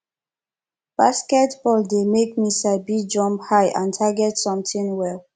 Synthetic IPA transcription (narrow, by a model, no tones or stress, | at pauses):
b̥askɛtb̥ɔldemek̚misabid͡ʒɔ̃mphaɪʔãntʰaɡɛtsɔ̃mtĩŋwɛl